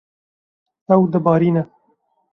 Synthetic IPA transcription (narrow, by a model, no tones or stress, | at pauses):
ɐwd̪əbɑːɾiːnɛ